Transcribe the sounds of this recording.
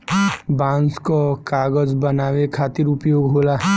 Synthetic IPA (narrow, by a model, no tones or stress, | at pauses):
bãːnskokaːɡəd͡ʒbənaːwekʰaːt̪ɪɾʊpjoːɡɦoːlaː